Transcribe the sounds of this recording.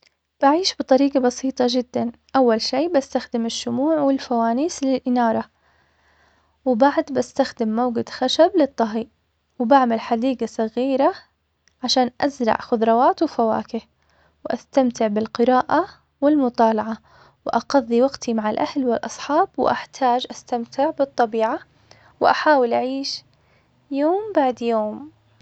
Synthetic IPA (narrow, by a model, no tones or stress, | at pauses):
b̥aʕiːʃbɨt̪ˤɑɾiːɡabɑsiːt̪ˤɑd͡ʒɪd̪ːanʔawːalʃiːbast̪axd̪ɪmɪʃːʊmuːʕwɪlfawaːniːslɪlʔɪnɑːɾˤɑ | wɪbaʕd̪bast̪axd̪ɪmːawɡɪd̪xaʃablɪt̪ˤːɑɦiːʔ | wɪbaʕmalħad̪iːɡasˤɑɣiːɾa | ʕaʃaːnʔazɾˤɑ̰ʕxʊðɾˤɑwaːt̪wɪfawa̰ːkɪh | wʔast̪amt̪ɪʕbɪlqɨɾɑːʔa | wɪlmʊt̪ˤɑːlɑʕa | wʔɑɡɑðˤːiwaɡt̪ʰimaʕalʔahlwɪlʔɑsˤħɑːbwʔaħt̪ʰaːd͡ʒʔast̪amt̪ʰɪʕbɨt̪ˤːɑbiːʕa | wʔaħaːwɪlʔaʕiːʃ | joːmbaʕd̪joːm